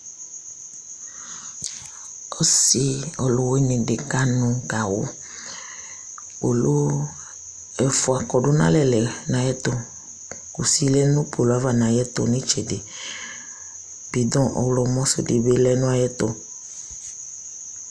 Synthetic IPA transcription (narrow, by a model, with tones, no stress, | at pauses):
o˦si˦o˨lo˨we˦nẽ˨ɖe˨ka˦nũ˨ɡa˨wo̰˦ | o˨lo˦ | ɛ˨fo˨a˨kɔ˨ɖo˦nã̰˦lɛ˨lɛ˨nã˨jɛ˦t̪o˦ | ku˨si˦lɛ˦nũ˦po˨lo˦a˦va˨nã˨jɛ˦t̪o̰˨nẽ˦t͡ʃɛ˨de˨ | b̥i˨d̪ɔ̃˦ʔɔ̰˨wlɔ˨mɔ̃˦so̰˨de˨be˦lɛ˦nũ˦a˨jɛ˦t̪ɔ˨